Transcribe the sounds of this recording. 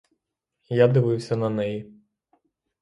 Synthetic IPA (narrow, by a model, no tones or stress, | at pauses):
jad̪ɪʋɪwsʲɐnɐnɛji